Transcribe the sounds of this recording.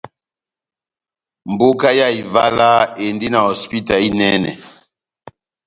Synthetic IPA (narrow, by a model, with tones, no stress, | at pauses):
m˨bo˦ka˦ja˦˨i˨va̰˦la˦e˨ndi˦na˨hɔ˨spi˦ta˨i˦nɛ˦nɛ̰˨